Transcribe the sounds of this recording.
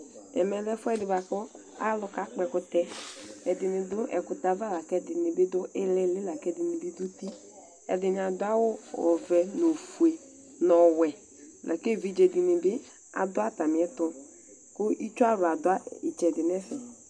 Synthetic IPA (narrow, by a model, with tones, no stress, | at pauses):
ɛ̰˨mɛ˨lɛ˦fʊ˦ɛ˦dɪ˨ba˨kɔ˦ | a˦lʊ˦ka˨˦k͡pɛ˧kʊ˦t̪ɛ˦ɛ˨dɪ˨nɪ˨dʊ˦ʔɛ̰˨kʊ˨t̪a˨va˦la˨kɛ˦dɪ˨nɪ˨bɪ˦dʊ˦ʔɪ˦lɛ˦lɪ˦la˨kɛ˦˨dɪ˨nɪ˨bɪ˦du˦t̪i˦ | ɛ̰˨dɪ˨nɪ˨a˨dʊ˦a˦wʊ˦ɔ̰˨vɛ˨no˨fu˨e˨ | nɔ˨wɛ˨ | lʔɛ̰˨ke˦˨vi˦d͡ʒe˨dɪ˨nɪ˨bɪ˦ | a̰˨dʊ˦a˦ta˨mɪ˨ɛ˦t̪ʊ˦ | kʊ˦ʔi˦t͡ʃu˦a˦ɾʊ˨a˨dʊ˨˦a˦ɪ˨t͡ʃɛ˨dɪ˨nɛ˦sɛ˨